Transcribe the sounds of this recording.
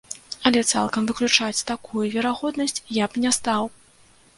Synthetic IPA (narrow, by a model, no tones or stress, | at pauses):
ɐlʲɛt̪sa̰lˠkɐmvɨklʲut͡ʂat͡sʲt̪akujuvʲɛɾaɣɔd̪nɐsʲt͡sʲjapnʲɛst̪aw